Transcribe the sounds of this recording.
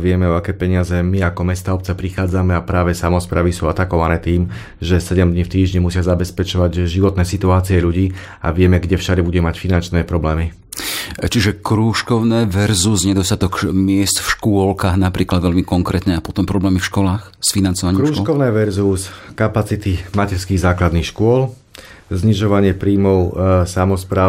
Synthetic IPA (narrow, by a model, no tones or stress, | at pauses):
ʋɪɛmɛɔakɛːpɛɲɪazɛmiakɔmɛst̪aːɔp̚t͡sɛpɾixaːd͡zamɛapɾaːʋɛsamɔspɾaːʋisuːat̪akɔʋanɛːt̪iːm | ʒɛsɛɟɛmd̪ɲift̪iːʒɲɛmusɪazabɛspɛt͡ʃɔʋaɟʒiʋɔt̪nɛːsit̪uaːt͡siɛʎuɟiː | a̰ʋɪɛmɛɡɟɛfʃad̪ɛbuɟɛmacfinant͡ʃnɛːpɾɔblɛːmi | t͡ʃiʒɛkɾuːʃkɔʊnɛːʋɛɾzuzɲɛd̪ɔst̪at̪ɔkmɪɛst̪fʃkʊɔlkaːɣnapɾiːklad̪ʋɛʎmikɔŋkɾɛːt̪ɲɛapɔt̪ɔmpɾɔblɛːmifʃkɔlaːxsfinant͡sɔʋaɲːɾuːʃkɔʊnɛːʋɛɾzuskapat͡sit̪imacɛɾskiːɣzaːklad̪nixʃkʊɔl | zɲiʒɔʋaɲɪɛpɾiːmɔʊsamɔspɾaː